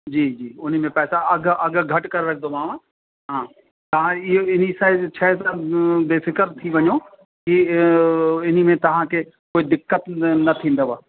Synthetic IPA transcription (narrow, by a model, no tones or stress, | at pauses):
d͡ʒiːd͡ʒiːʊn̤imẽpɛːsaɐɡɐɡɡʱɐʈkɐɾɾɐk̚ʰd̪omãːʋã | ɦãː | t̪ɐɦãɪnisat͡ʃʰɛːsab̪eːfʰɪkəɾt̪ʰiʋɐɲoː | ki | ɪnimẽt̪ɐɦãke | koːid̪ɪkːət̪nɐt̪ʰĩːnd̪aʋaː